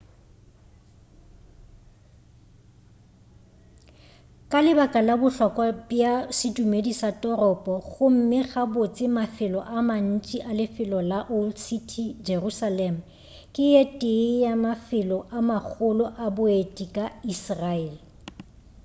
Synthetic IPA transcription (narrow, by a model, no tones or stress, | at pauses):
kʼalɪbakʼalabʊɬɔkʼwabjasɪtumedisatʼɔrɔpʼɔɣʊm̩mɪɣabot͡sʼɪmafɪlɔʔaman̩t͡ʃʼiʔalɪfɪlɔlaʔolsitʰid͡ʒerusalɛm̩ | kʼɪjetʼɪjamafɪlɔʔamak͡xʰʊlɔʔabʊetʼikʼaisraeːlɪ